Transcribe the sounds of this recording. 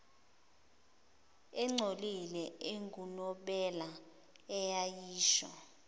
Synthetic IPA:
ɛŋ͡ǀʱolilɛeŋɡʱunɔɓɛla | ɛjajiːʃa̰

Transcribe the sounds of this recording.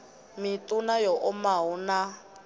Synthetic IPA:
mitʼunajɔʔʊmaɦuna

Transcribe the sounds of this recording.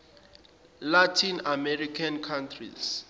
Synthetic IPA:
latʰinamɛɾikʰankʰãntʰrḭs

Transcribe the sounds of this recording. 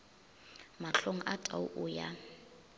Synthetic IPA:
maɬoŋ̩ʔatʼauʔʊja̰

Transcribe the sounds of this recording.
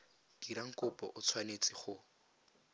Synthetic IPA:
d̥iɾaŋ̩kʼʊpʼɔʔʊt͡sʰwanet͡sʼɪχʊ

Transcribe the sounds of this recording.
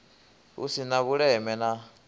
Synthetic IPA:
ṵsinaβuɺɛmɛna

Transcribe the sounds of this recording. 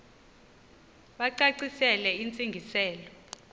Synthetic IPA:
ɓaǀaǀisɛlɛint͡sʼiŋɡʱisɛːlɔ

